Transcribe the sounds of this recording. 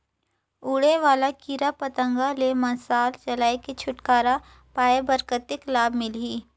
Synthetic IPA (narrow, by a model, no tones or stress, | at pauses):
uːɽeʋaːlakiːɾapɐt̪ə̃ŋɡalemɐ̃nsaːlt͡ʃɐlaːeket͡ʃʰʊʈkaːɾa | paːebəɾkət̪ɪklaːbmɪlɦiː